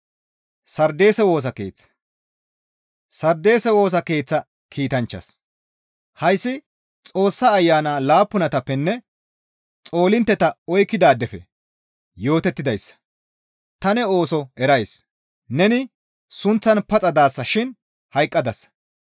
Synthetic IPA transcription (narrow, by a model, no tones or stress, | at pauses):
sɐɾd̪e̞ːsɛwo̞ːs̬ɐke̞̰ːt͡sːɐ̥ | sɐɾd̪e̞ːsɛwo̞ːs̬ɐke̞ːt͡sːɐ | kʰiːt̪ɐnt͡ʃːɐ̰s | hɐjsːɪ | t͡sʼo̞ːsːaːjːaːnaːlaːpːʊnɐt̪ɐpːɛnːɛ | t͡sʼo̞ːlɪnt̪ːɛt̪ɐɔjkːɪd̪aːd̪ɛfɛ | jo̞ːt̪ɛt̪ːɪd̪ɐjsːɐ̥ | t̪ɐnɛo̞ːsɔɛɾɐjs | nɛnɪ | sʊnt͡sːɐnpɐt͡sʼɐd̪aːsːɐʃɪn | hɐjkʼːɐd̪ɐs